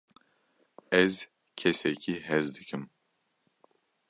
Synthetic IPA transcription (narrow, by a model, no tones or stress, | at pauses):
ɛz | cʰɛsɛcʰiɦɛzd̪icʰim